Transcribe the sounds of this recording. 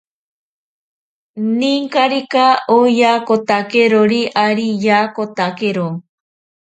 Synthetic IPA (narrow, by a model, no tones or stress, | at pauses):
niŋkaɾikaojakot̪akeɾoɾiʔaɾijaːkot̪akeɾo